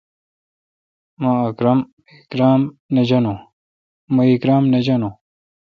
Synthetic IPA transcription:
mãɐkɾɐm | ikɾaːmned͡ʑɐno | mɐikɾaːmned͡ʑɐnoː

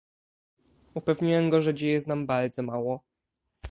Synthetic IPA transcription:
upɛvɲiwɛmɡɔʐɛd͡ʑejɛznambaɾd̪zɔmawɔ

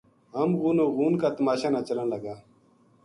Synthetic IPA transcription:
ɦəmɣuːnoːɣuːnkaːt̪əmaːʃaːnaːt͡ʃələnləɡaː

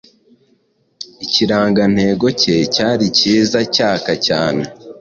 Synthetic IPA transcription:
iciɾaːŋɡan̥he̞ːɡo̞cecaːɾiciːzacaːkacaːne

